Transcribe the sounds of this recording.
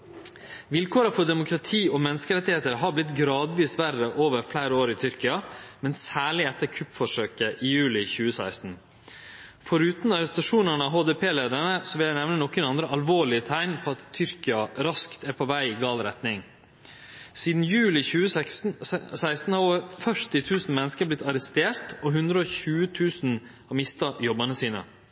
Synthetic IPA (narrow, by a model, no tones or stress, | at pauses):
ʋɪlkʰoːɾəfɔɖ̪ɛmʊkʰɾɑt̪ʰiːɔmɛnːəskəɾɛt̪ːɪheːt̪əɾɦɑɾblɪt̪ɡɾɑːd̪ʋiːsʋæɾəʔoːʋəɾflæɪɾəoːɾɪt̪ʰʏɾkɪɑmɛnsæːɭɪɛt̪ːəɾkʰʉpːfɔʂøːkəʔɪjʉːlɪçʉːəsæɪst̪n̩ | fɔɾʉːt̪n̩ɑɾɛst̪ɑʂuːnəɳəɑɦoːd̪ɛpʰeːleːd̪əɳəsɔʋɪljæɪnɛʋnənɔkːənɑnd̪ɾəʔɑlʋoːɭɪət̪ʰæɪnpʰɔːɑt̪ʰːʏɾkɪɑɾɑskt̪æːɾpʰɔʋæɪɡɑːlɾɛt̪nɪŋ | siːd̪n̩jʉːlɪçʉːə | sæɪst̪n̩hɑɾoʋəɾfœʂʈɪt̪ʰʉːsn̩mɛnəskəɾblɪt̪ːɑɾɛst̪eːɾt̪ɔɦʉnd̪ɾəɔːçʉːət̪ʰʉːsn̩ | hɑmɪst̪ɑjɔbɑnəsiːnə̰